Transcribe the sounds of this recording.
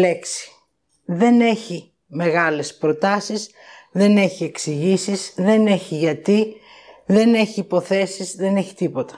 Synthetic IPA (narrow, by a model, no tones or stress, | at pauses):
leksi̥ | ðe̞ne̞çi | me̞ɣɐle̞spɾo̞t̪ɐsiz | ðe̞ne̞çie̞ksiʝisizðe̞ne̞çiʝɐt̪i | ðe̞ne̞çiːpo̞θe̞sizðe̞neçi̥t̪ipo̞t̪ɐ̥